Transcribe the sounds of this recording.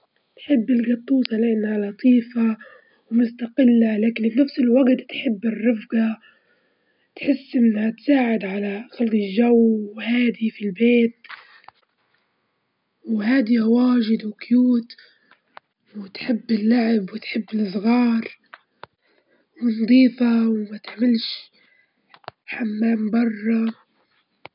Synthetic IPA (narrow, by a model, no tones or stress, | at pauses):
nħɪbːɪlɡɑt̪ˤːuːsalɪʕnaʕlɑt̪ˤiːfa | wmʊst̪aqɪlːalaːkɪnɪːafsɪlwaɡt̪t̪ħɪbːɪrˤːɑfɡa | t̪ħɪsːʔɪnːhat̪saːʕɪd̪ʕalaxalɡ̪iʒawwhaːd̪ifilbeːt̪̚ | whaːd̪iʔawaːʒɪd̪wɪkjuːt̪ | wɪt̪ħɪbːɪlːaʕɪbwɪt̪ħɪbːɪlɨsˤɣɑːɾˤ | wɪnd̪ˤiːfawmat̪ɪʕmɪlʃ | ħamːaːmbɑrˤːɑ